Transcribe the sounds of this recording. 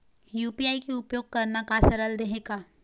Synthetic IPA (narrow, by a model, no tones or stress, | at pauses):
juːpiaːikeʊpjoːɡ̚kɐɾnakasɐɾəld̪eɦeːkaː